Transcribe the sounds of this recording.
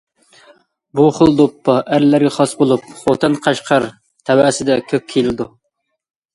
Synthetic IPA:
buχəlˠd̪opːɑʔæɾlːæɾɡʲɛχɑsbolˠup̚χot̪ʰɨnqʰɑʃqʰɑɾ | t̪ʰɛwæsɪd̪ɛkʲʰøp̚kʲʰelɪd̪u

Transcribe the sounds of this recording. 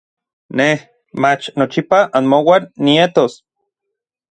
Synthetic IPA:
neh | mat͡ʃnot͡ʃipaʔanmowanːiet̪os

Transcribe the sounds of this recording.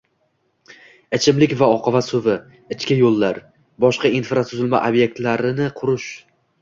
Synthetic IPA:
ɪt͡ʃʰɪmlɪkʲvaɒqʰɑvasɵvɪ | ɪt͡ʃkʲajolˠːaɾ | bɒʃqɑinfɾat̪ʰʊzɪlma̰ʔobje̞k̚ʲt̪laɾɪnɪqʰʊɾʊʃ

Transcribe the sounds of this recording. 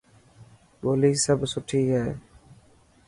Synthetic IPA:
ɓoːliːsəbsʊʈʰiːɦɛː

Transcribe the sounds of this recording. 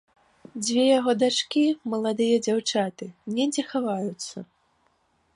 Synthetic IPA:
d͡zʲvʲejaɣɔd̪at͡ʂkʲimɐlˠad̪ɨjɐd͡zʲawt͡ʂat̪ɨnʲɛd͡zʲɛxavajut̪sːɐ̰

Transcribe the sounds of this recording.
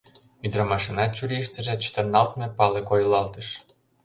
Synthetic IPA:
yd̪romɑʃinɑt̪̚t͡ɕuɾʲiʃt̪ə̆ʒĕt͡ɕt̪ərnɑlt̪mĕpɑlekojlɑlt̪ə̆ʃ

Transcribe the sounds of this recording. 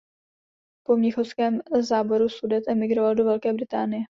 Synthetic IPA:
po̞mɲɪxofskɛːmzaːbo̞ɾusudɛt̪ʔɛmɪɡɾovaldo̞vɛlkɛːbɾɪt̪aːnɪjɛ

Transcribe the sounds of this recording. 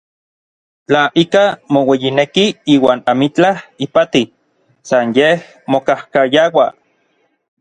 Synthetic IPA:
t͡ɬaʔikamowejinekiiːwaːnamit͡ɬahipat̪i | sanjeh | mokahkajawa

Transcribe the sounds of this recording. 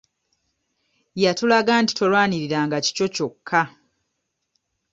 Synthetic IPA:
jatulaɡaːnti̥to̞lwaːniɾiɾaːŋɡaci̥co̞co̞kʰːa

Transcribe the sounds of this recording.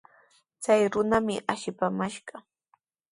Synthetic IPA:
t͡sajɾʊnamɪʔaʃɪpamaʃɢɑ

